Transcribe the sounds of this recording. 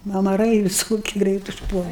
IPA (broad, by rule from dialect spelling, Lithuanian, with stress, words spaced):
ɐmɐˈrɐɪ ʋʲɪˈsoːkʲɪ ˈɡrʲɛɪt ʊʃˈpuɔlˠɐ